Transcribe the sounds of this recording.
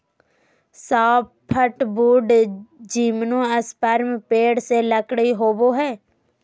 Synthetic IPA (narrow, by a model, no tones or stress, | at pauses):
saːppʰːəʈbuːɖd͡ʒiːmnũːəspəɾmpeːɽseləkɽiɦoːboːɦɛː